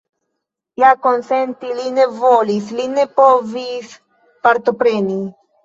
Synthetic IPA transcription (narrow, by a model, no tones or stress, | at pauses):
jako̞nsent̪iline̞volisline̞povis | paɾt̪o̞pɾe̞ni